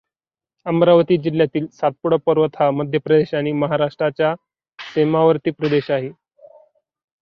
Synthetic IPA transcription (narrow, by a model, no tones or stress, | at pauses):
əmɾaʋət̪iːd͡ʑiljat̪iːlsat̪̚puɽəpəɾʋət̪ʰaməd̪ʱjəpɾəd̪eɕaɽ̃iməɦaɾaʂʈɾat͡ɕja | semaʋəɾt̪iːpɾəd̪eɕaɦe